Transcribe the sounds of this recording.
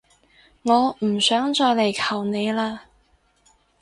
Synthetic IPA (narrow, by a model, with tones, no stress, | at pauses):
ŋɔː˨˧m̩˨˩sœː˨˥ŋt͡ʃɔː˧jle˨˩jkʰɐ˨˩wne˨˧jlaː˧